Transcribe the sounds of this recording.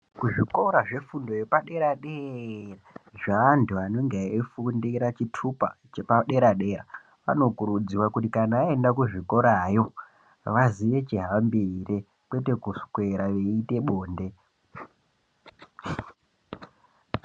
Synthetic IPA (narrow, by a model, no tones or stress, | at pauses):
kuʐiko̞ɾaʐe̞fundo̞jepaɗe̞ɾaɗeraʐaːnduano̞ŋɡeefundiɾat͡ʃitʰupa̰t͡ʃepaɗe̞ɾaɗe̞ɾa̰ | ʋa̰no̞kuɾud͡ziwakutikanaːe̞ndakuʐiko̞ɾajo̞ | ʋaziʋe̞t͡ʃiɦambire | kwe̞te̞kuskwe̞ɾaʋe̞ite̞ɓo̞ːnde̞